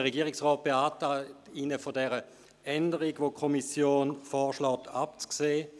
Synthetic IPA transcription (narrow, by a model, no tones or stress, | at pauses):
əʁeɡiːʁɪksʁɔːt̚b̥eaːtatinəfodɛʁə | ɛndəʁiɡʋokʰɔmisjoːnfɔːɐʃlɔːtʰap̚t͡skseː